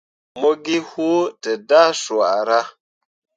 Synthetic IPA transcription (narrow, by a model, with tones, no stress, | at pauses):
mo˦ɡi˦ho˦tə˨da˦swa˨ʔɾa˦